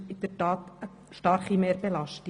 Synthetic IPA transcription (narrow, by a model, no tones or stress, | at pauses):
ɪd̪əɾtɑːt̪ə | ʃtɑɾχimeːɾbɛlɑʃtɪ